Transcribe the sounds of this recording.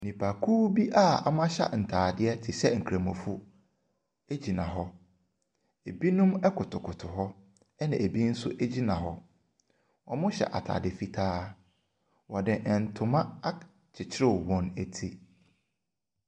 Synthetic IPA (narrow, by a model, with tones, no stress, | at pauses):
nĩ˨pʰa˨kʰuː˦bi˦ʔa˦a̰˨mã˦ɕa̰˦n̩˨tʰaː˨dɪ˦ɛ˦tʰɪ˨sɛ˦ŋ̩˨kʰɾã˨mɔ̃˨fu˦ | e˦d͡ʑi˨nã̰˨ɦɔ˦ | e˨bi˦nũ˦mɛ˦kʰʊ˨tʰʊ˨kʰʊ˨tʰʊ˨ɦɔ˦ | ɛ˦nã˨ʔe˨bi˦n̩˦sʊ˦ʔæ˦d͡ʑi˦nã˨ɦɔ˦ | wɔ˨mʊ̃˦ɕɛ̰˨ʔa̰˨tʰa̰ː˨dɪ˨fi˦tʰaː˦ | wɔ˨dɪ˨ʔn̩˨tʰʊ˨mã˦a˦ | t͡ɕʰɪ˨t͡ɕʰɪ˦ɾɪ˦˨wɔ̃˦næ˨tʰi˦